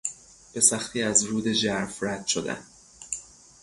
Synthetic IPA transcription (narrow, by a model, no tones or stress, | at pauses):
b̥e̞sæxt̪ʰiːæzɾuːd̪e̞d͡ʒæɾfræd̪̥ʃod̪æ̰n